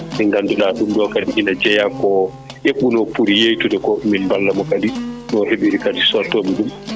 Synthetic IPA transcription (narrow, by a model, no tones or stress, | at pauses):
mɛŋɡandulaːɗumdɔkadiʔinad͡ʒɛjakɔ | ʔeɓːunɔpuɾijejtudɛkɔminbalːamɔkadinɔhebiɾikadisɔtɔmiɗum